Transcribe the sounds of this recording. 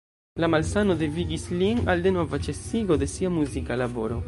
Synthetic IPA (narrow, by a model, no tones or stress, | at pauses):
lamalsano̞de̞viɡislinalde̞no̞vat͡ʃe̞siɡo̞de̞siamuzikalabo̞ɾo̞